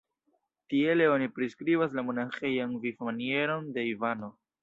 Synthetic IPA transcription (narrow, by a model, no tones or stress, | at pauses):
tie̞leo̞nipɾiskɾibas̬lamo̞naxe̞janvifmanie̞ɾo̞nde̞ivano̞